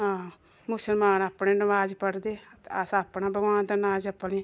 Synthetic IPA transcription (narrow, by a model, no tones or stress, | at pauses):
ɦãː | mʊsəlmaːnaːpɳeːnəʋaːd͡ʒpəɽd̪eːasaːpnaːbəɡʋaːnd̪anaːd͡ʒəpːniː